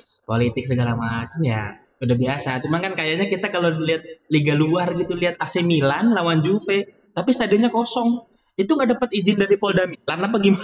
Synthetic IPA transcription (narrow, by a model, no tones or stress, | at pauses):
polit̪ɪk̚səɡalamat͡ʃamja̰ | udahbiasat͡ʃumaŋkankajaʔɲakit̪akaloliɦat̪̚liɡaluarɡit̪uliat̪̚asemilanlawand͡ʒufe | t̪apisə̥t̪adiɔɲakɔsɔŋ | it̪uŋɡaʔdapat̪id͡ʒɪndaɾipoldamilanapaɡima